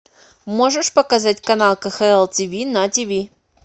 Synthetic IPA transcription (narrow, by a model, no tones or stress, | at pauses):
moʐɨʂpɐkɐzatʲkɐnalˠkəxɛɛlˠtʲivʲinɐtʲivʲi